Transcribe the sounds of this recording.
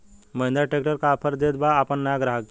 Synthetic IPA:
məj̃nd̪aʈek̚ʈəɾkapʰəɾd̪et̪̚baːpəɳːajaɡɾaɦak

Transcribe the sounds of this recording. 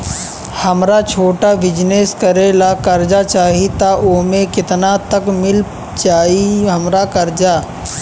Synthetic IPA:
hɐmɾat͡ʃʰoːʈabɪd͡ʒneskɐɾelakɐɾd͡ʒat͡ʃaːɦit̪aʔoːmẽkɪt̪nat̪ɐkmɪl | t͡ʃaːɦiɦɐmɾakɐɾd͡ʒaː

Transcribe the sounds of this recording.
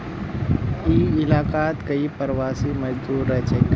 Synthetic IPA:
iːɪlaːkaːt̪kəipəɾʋaːsimɐd͡ʒd̪uːɾɛt͡ʃekː

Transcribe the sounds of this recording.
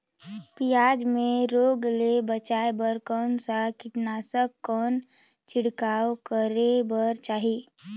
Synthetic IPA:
pijaːd͡ʒmẽɾoːɡlebət͡ʃaːebəɾkɔːnsakɪʈnasəkːɔːn | t͡ʃɪɽkaːwkəɾebəɾt͡ʃaːɦi

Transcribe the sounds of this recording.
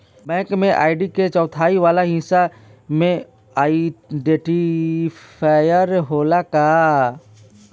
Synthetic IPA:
bɛ̃ːkmẽʔa̰ːɪɖiket͡ʃɔːt̪ʰaːiʋaːlaɦĩsa | mẽ | aːiɖeːʈi | pʰaːjəɾɦoːlakaː

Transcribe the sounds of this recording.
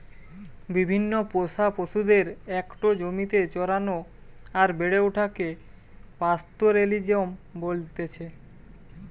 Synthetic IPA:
bibʱinːopoʃapoʃud̪eɾɛkʈod͡ʑomit̪et͡ɕɔɾano | aɾbeɽeuʈʰake | past̪oɾelid͡ʑombolt̪et͡ɕʰe

